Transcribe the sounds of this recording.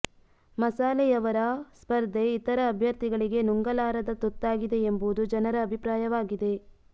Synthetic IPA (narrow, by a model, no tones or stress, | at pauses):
mɐsaːlɛjɐʋɐɾɐspɐɾd̪ʱeit̪ɐɾɐːbʱjɐɾt̪iɡɐɭiɡe̞nuŋɡɐlaːɾɐd̪ɐt̪ut̪ːaːɡid̪e̞ːmbud̪ud͡ʒɐnɐɾɐːbʱipɾaːjɐʋaːɡid̪e̞